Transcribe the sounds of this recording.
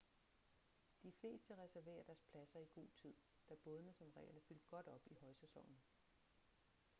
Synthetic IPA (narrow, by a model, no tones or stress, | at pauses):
d̥ifle̝̰ːsd̥əʁɛsæɐʋe̝̰ːɐd̥æɐspʰlæsɐiɡ̥o̝̰ːt͡sʰið̰ˠ | d̥æb̥ɔ̽ðˠnəsɒ̽mʁɛ̰ːlæfyl̰d̥̚ɡ̥ɒ̽d̥ɒ̽b̥ihɒ̽ɪsesɒ̽ŋ̰n̩